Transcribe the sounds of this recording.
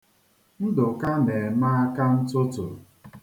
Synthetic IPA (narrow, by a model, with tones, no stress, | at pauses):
n̩˦dʊ˨ka˦ne˨maː˦a˦ka˦n̩˦tʊ˦tʊ̰˨ɾ